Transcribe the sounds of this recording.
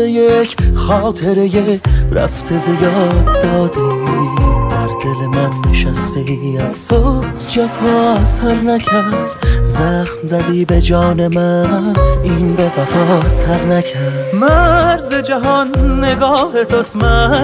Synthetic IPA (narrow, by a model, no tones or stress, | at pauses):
ejekʰχɒːt̪ʰe̞ɾejeɾæ̰ft̪ʰezejɒd̪ːɒːd̪i | d̪̥æɾd̪e̞lemænːeʃæst̪iæzsod | d͡ʒæfɔːsæɾnækʰæɾɾdd̪zæxnzæd̪iːbe̞d͡ʒɒːne̞mæ | inbe̞væfɒsæɾnækʰæɾd̪mæɾzed͡ʒæɦɒnːeɡɒːhet̪ʰosmæ